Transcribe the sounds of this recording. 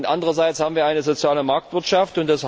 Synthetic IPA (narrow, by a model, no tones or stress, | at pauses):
ntʔandəʁɐzaɪt͡shaːbm̩viːɐaɪnəzot͡sjaːləmaɐk̚tv̥ɪɐtʃaftʊntd̥as